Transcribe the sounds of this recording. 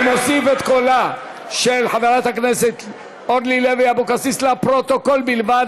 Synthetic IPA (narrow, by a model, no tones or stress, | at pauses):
mosifet̪kola | ʃelħazalat̪akneset̪ | od̪lileviabokasislapʁot̪okolbilvad̪